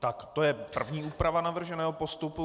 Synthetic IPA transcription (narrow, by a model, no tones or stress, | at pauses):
t̪akt̪o̞jɛpr̩vɲiːʔuːpɾavanavr̩ʒɛnɛːɦopost̪upu